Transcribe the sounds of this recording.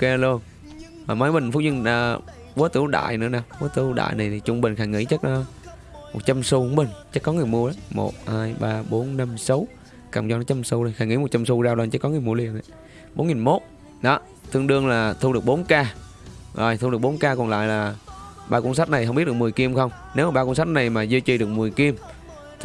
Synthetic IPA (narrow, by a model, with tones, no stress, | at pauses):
ka˧lu˧ən | vaː˨˩ma˨˦jɓï˨˩ŋ̟fʊ˦˥zɨ˧nə˧ | ɓu˨˦ət̪ɨ˧˩˦wɗa̰ː˧˨jnɨ̰˧˥ənaː˨˩wɓu˨˦ət̪ɨ˧˦ɗa̰ː˧˨jna˨˩jt̪ʰi˨˩t͡ɕʊ˧ŋ͡mɓï˨˩ŋ̟xaː˧˩ŋḭ˧˥t͡ɕə˦˥k̚ə˨˦ | mo˨˩t̚t͡ɕa˧msu˧ku˧˦ŋ͡mɓï˨˩ŋ̟t͡ɕə˦˥kːɔ˨˦ŋɨ˨˩əjmu˧əa˨˦mo̰˨˩t̚haː˧jɓaː˧ɓo˨˦nːa˧msə˨˦w | ka̰ː˨˩wŋ͡mzɔ˧n˨˦t͡ɕa˧msu˧zo˧jxaː˧˩ŋḭ˧˥˦mo˨˩t̚t͡ɕa˧msu˧zaː˧wlaː˧ŋt͡ɕə˦˥kːɔ˨˦ŋɨ˨˩əjmu˧əli˨˩ənɗə˨˩˦ | ɓo˨˦nŋi˨˩nmo˦˥t̚ | ɗɔ˨˦ | t̪ʰɨ˧ŋɗɨ˧əŋlaː˨˩t̪ʰu˧ɗɨ˨˩ək̚ɓo˨˦nkaː˧ | zo˨˩jt̪ʰu˧ɗɨ˨˩ək̚ɓo˨˦nkaː˧kɔ˨˩nla̰ː˧˨jlaː˨˩ɓaː˧kwns̬a˦˥k̚na˨˩jhə˧ŋ͡mi˦˥t̚ɗɨ˨˩km˨˩əjki˧əmxə˧wŋ͡m | ne˨˦wmaː˨˩ɓaː˧kwnsa˦˥k̚na˨˩jmaː˨˩zi˧t͡ɕi˧˨˩ɗɨ˨˩k̚mɨ˨˩əjki˧əmʰ